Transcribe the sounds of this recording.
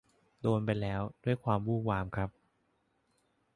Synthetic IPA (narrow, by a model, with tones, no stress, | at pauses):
doː˧np̬a˧jlɛː˦˥wdu˥˩əjkʰwaː˧mwuː˥˩waː˧mkʰɾa˦˥p̚